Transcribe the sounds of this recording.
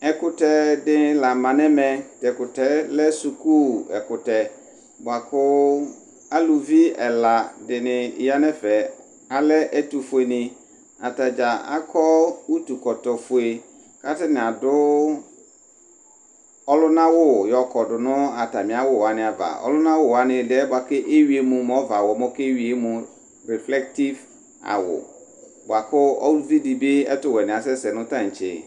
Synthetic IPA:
ɛ˨kʊ˦tɛ˨dɪ˨la˨mã˨nɛ̃˦mɛ̃˨tɛ˨kʊ˨tɛ˦lɛ˦su˨ku˦ɛ̰˨kʊ˨tɛ˨ | bʊ˨a˨kʰʊ˦ | a˦lu˨vi˦ɛ˨la˨dɪ˨nɪ̃˨˦ja˦nɛ̃˦fɛ˨ | a˨lɛ˦ʔɛ˦tu˨fʊ˨e˨nɪ̃˨ | a˨ta˨d͡ʒa˨a̰˦kʰɔ˦wu˦tu˨kɔ˨tɔ˨fʊ˨e˨ | ka˦tɪ˦nɪ̃˨a˨dʊ˦ | ɔ˦lʊ˦nã˦wʊ˦jɔ˨kʰɔ˨dʊ˨nʊ̃˦a˨ta˨mɪ̃˨a˦wʊ˦wa˦nɪ̃˨a˨va̰˨ɔ̰˦lʊ˦nã˦wʊ˦wa˦nɪ̃˨dɛ˦bʊ˨a˨kɛ˦ʔe˦ɥi˦e˦mũ˨m˨ɔ˦va˨wɔ˨mʊ̃˦ke˦ɥi˨˦e˦mũ˨ | ɾɛ˨flɛ˦k̚ti˦v | a̰˨wʊ̰˨ | bʊ˨a˨kʊ˦ɔ˦vi˦di˨be˦ɛ̰˦tʊ˨wɛ˨nɪ̃˨a˨sɛ˦sɛ˨nʊ̃˦tã˦˨ɲ̩˨t͡ʃɪ̰˨

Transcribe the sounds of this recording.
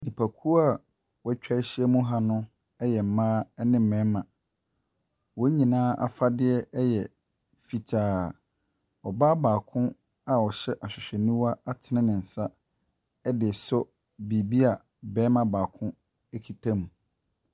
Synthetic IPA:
nĩ˨pʰa˨kʰu˦a˨ | wɛ˦t͡ɕᶣa˦ɕɪ˦ɛ˦mũ˦ɦa˦nʊ̃˦ | ɛ˦jɛ˨m̩˨mãː˦ɛ˦nɪ̃˦m̩˨mɛ̃˦mã˨ | wɔ˦ɲĩ˨nãː˦ʔa̰˨fa˦dɪ˦ɛ˦jɛ˨ | fi˨tʰaː˨˦ | ɔ˨ba˦baː˨kʰʊ̃˦ | a˦˨ɔ˨ɕɛ˦ʔa˨ɕᶣɪ˨ɕᶣɛ˨nũ˦wa˦a˦tʰɪ˨nɪ̃˦nɪ̃˨n̩˨sa˦ | ɛ˦dɪ˨sɔ˦ | bi˨bi˦a˨ | bɛː˦mã˦˨baː˨kʰʊ̃˦ | ɛ˦kʰi˨tʰã˦mũ˨

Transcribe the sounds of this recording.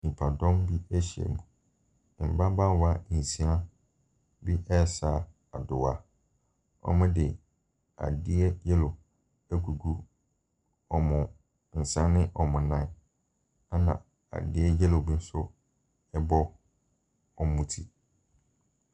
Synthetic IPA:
nĩ˨pʰa˨dɔ̃˦mbi˦ɛ˦ɕi˨ɛ̰˨mũ˨ | m̩˨ba˦bã˦wa˦i˨si˦a˦ | bi˦ʔɛ˦˨sa˦˨ | a˨dʊ˨wa˨ | ɔ̰˦mʊ̃˦dɪ˨ | a̰˨dɪ˦ɛ˦jɛ˦lo˨ | æ˦kʰu˨ɡu˦ | ɔ˨mʊ̃˨ | n̩˨sã˦nːɪ̃˦ʔɔ˨mʊ̃˨nã˨˦ | a˦nã̰˨ | a̰˨dɪ˦ɛ˦jɛ˦lo˨bi˦n̩˦sʊ˦ | ɛ˦bɔ˦ | ɔ˨mũ˦tʰi˦˨

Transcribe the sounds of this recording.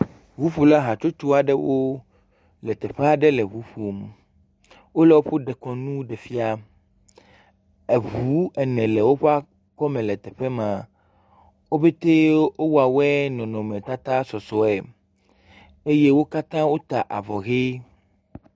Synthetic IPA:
vu˨˦ɸu˨la˦ɦa˨t͡ʃo˦t̪u˦a˨ɖɛ˦wo˦ | lɛ˨t̪ɛ˨ɸe˦a˨ɖɛ˦lɛ˨βu˦ɸu˨m | wo˦lɛ˨wo˦ɸo˦ɖɛ˨kɔ˨nũ˦ɖɛ˨fi˦a˦ | e˨βu˦ɛ˨nɛ̃˨lɛ˨wo˦ɸa˦ | kɔ˦mɛ̃˨lɛ˨t̪ɛ˨ɸe˦mã˨ | wo˦be˦t̪e˦wo˦wa˨wɛ˦nɔ̃˨nɔ̃˨mɛ̃˨t̪a˦t̪a˦sɔ˨sɔ˨ɛ˨ | e˦je˦wo˦ka˦t̪ã˦wo˦t̪a˨ʔa̰˨vɔ˨ɣe˦

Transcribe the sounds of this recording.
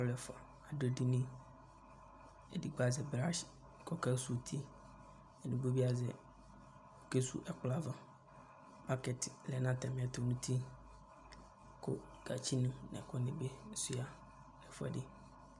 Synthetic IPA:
ʊ˦lɛ˨fʊ˨a˨ | a˨do˦˨di˦nĩ˦ | ɛ˨di˨ɡ͡ba˨zɛ˨bɾa˦ɕ | kʰɔ˨kʰa˦su˨tʰi˦ | ɛ˨nũ˨bo˦bi˦a˨zɛ̰˨ | ke˦sṵ˦˨ʔɛ˨kʊ˦la˨vã˨ | pa˦kɛ˨tlɛ˨nã˦tɛ˨mɪ̃˨˦ɛ˦tʰʊ˨nũ˦tʰi˦ | kʰʊ̰˦ | ɡ̥a̰˨t͡ɕʰi˦nũ˦nɛ̰̃˨kʰʊ˦nɪ̃˨be˦n̩˦sʊ˦a˦ | lɛ˨fʊ˦a̰˨dɪ˦

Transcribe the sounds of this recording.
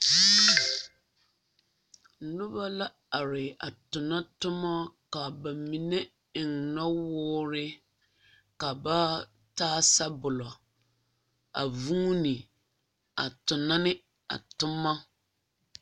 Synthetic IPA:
nʊ˦ba˦la˦ | a˨ɾɪ˨a˨tʊ˨na˦tʊ˦ma˦ka˨ba˨mi˨ne˦ | ɪ˨ŋna˦wʊː˦ɾɪ˦ | ka˨ba˦ | taː˦sa˦bʊ˨lɔ˨ | a̰˨vuː˦nɪ˨ | a̰˨tʊ˨na˦nɪ˦ | a̰˨tʊ˦mːa˦

